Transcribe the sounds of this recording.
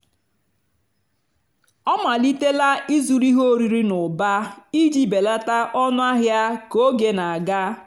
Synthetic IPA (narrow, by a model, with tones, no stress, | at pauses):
ɔ˦ma˨li˦te˦la˦ʔi˦zu˨ɾi˦ɦo˦˨ɾi˨ɾi˦nʊ˨ba˦i˦d͡ʒi˦be˨la˦ta˦ʔɔ˦nʊ˦a˦ɦja˦ko˦ɡe˨na˨a˨ɡa˦